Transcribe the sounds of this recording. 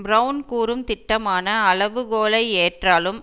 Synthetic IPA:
bɾɐʊnkuːɾɯmt̪ɪʈːɐmaːnɐɐɭɐʋɯɣoːlɐɪeːʈraːlɯm

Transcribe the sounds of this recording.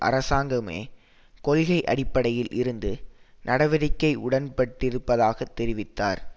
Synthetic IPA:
ʔɐ̰ɾɐsaːŋɡɐmḛː | kɔlɣɐɪʔɐɽɪpːɐɽɐjɪlʔɪɾɯnd̪ɯnɐɽɐʋɐɾɪkːɐɪʔʊɽɐnpɐʈːɪɾɯpːɐðaːɣɐt̪ːɛɾɪʋɪt̪ːa̰ːɾ

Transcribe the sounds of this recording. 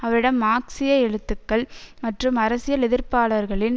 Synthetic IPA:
ɐʋɐɾɪɽɐmːaːksɪjɐɛɻɯt̪ːɯkːɐɭmɐʈrɯmɐɾɐsɪjɐlɪðɪɾpaːɭɐɾɣɐɭɪn

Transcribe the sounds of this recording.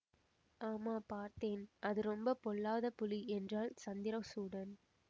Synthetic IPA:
aːmaːpaːɾt̪eːnʔɐðɯɾɔmbɐpɔlːaːðɐpʊliʔɛndraːlsɐnd̪ɪɾɐsuːɽɐn

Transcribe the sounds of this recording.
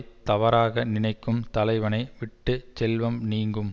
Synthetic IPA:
t̪ɐʋɐɾaːɣɐnɪnɐɪkːɯmt̪ɐlɐɪʋɐnɐɪʋɪʈːɯt͡ʃɛlʋɐmniːŋɡɯm

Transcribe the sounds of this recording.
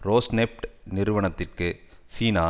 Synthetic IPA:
ɾoːsnɛp̚ʈnɪɾɯʋɐɳɐt̪ːɪrkɯsiːnaː

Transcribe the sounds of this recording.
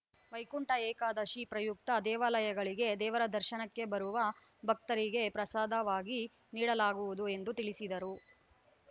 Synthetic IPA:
ʋɐjkuɳʈɐɛːkaːd̪ɐʃipɾɐjuk̚t̪ɐd̪ɛːʋaːlɐjɐɡɐɭiɡe̞d̪ɛːʋɐɾɐd̪ɐɾʃɐnɐkːe̞bɐɾuʋɐ | bʱɐk̚t̪ɐɾiɡe̞pɾɐsaːd̪ʱɐʋaːɡi | niːɽɐlaːɡuʋud̪ue̞nd̪ut̪iɭisid̪ɐɾu

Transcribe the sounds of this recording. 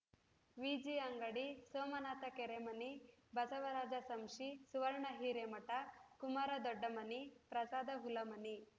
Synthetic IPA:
ʋid͡ʒiɐŋɡɐɽisoːmɐnaːt̪ɐkeɾemɐnibʱɐsɐʋɐɾaːd͡ʒɐsɐmʂisuʋɐɾɳɐɦiːɾemɐʈɐkumaɾɐd̪ɔɖːɐmɐnipɾɐsaːd̪ɐɦulɐmɐni

